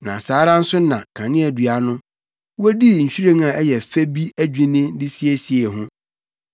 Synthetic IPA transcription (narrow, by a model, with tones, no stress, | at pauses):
nã̰˨saː˨˦ɾã˦n̩˦sʊ˦nã˨kʰã˨nɪ̃˦ɛ˨dɥa˨nʊ̃˦ | wo˦di˦ɲ̩˨ɕᶣi˦ɾẽ˦ŋa˨ɛ˦jɛ˨fe˦bi˦æ˦d͡ʑᶣĩ˦nɪ̃˦dɪ˦si˦e˨si˨e˨ɦʊ̃˦